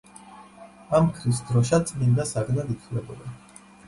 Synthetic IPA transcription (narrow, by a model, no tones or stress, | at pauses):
amkʰɾisd̪ɾɔʃat̪sʼmind̪asaɡnad̪it̪ʰlɛbɔd̪a